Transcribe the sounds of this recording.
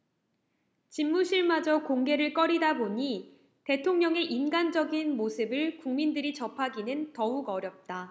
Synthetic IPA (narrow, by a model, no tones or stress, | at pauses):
t͡ɕimːuɕʰiɭmad͡ʑʌkoŋɡe̞ɾɯɭk͈ʌɾidaboɲi | te̞tʰoŋɲʌŋe̞ʔinɡand͡ʑʌɡinmosʰɯbɯɭkuŋmindɯɾit͡ɕʌpʰaɡinɯntʌuɡʌɾjʌp̚t͈a